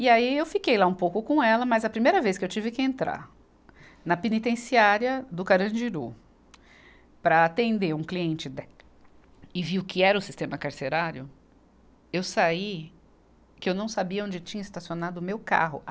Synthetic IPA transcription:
ɪaiewfikejlaũpowkʊkõɛlɐmɐzɐpɾimejɾɐveskɪewt͡ʃivɪkɪẽnt̪ɾa̰ɾ | nɐpenit̪ẽsiaɾjɐd̪ʊkaɾɐ̃d͡ʒiɾṵ | pɾɐat̪ẽnd̪eɾũkliẽnt͡ʃɪd̪ɛ | ɪviʊkɪɛɾɐʊsist̪ẽmɐkaɾseɾaɾjʊ | ewsai | kɪewnɐ̃w̃sabiɐõd͡ʒɪt͡ʃĩɲɐɪst̪asionad̪ʊmewka̰ɦʊ̰

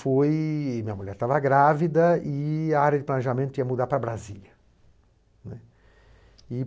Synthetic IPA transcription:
fojmĩɲɐmuʎɛɾt̪avɐɡɾavid̪ɐɪaaɾjɐd͡ʒɪplɐneʒamẽnt̪ʊĩɐmud̪aɾpɾɐbɾaziʎɐ | nɛ | ɪ

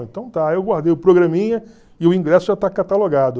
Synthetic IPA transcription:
ẽnt̪ɐ̃w̃t̪aewɡwaɾd̪ejʊpɾoɡɾɐ̃mĩɲɐ | ɪʊĩŋɡɾɛsʊʒat̪akat̪aloɡad̪ʊ

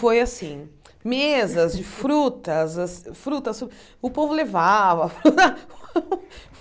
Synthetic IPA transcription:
fojasĩ | mezɐzd͡ʒɪfɾut̪ɐzasfɾut̪ɐso | ʊpovʊlevavɐfɾut̪a

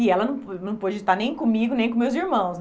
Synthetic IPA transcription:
ɪɛlɐnɐ̃w̃nɐ̃w̃pod͡ʒɪt̪aɾnẽj̃kõmiɡʊnẽj̃kõmewziɾmɐ̃w̃sn

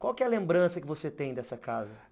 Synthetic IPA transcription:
kwawkɛɛɐlẽmbɾɐ̃sɐkɪvoset̪ẽj̃d̪ɛsɐkazɐ

